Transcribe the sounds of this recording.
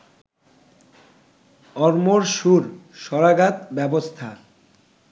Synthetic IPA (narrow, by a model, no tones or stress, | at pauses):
ɔɾmoɾʃuɾʃɔɾaɡat̪bɛbost̪ʰa